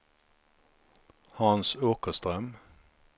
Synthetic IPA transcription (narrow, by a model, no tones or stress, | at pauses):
hɑnsoːkəst̪ʁœm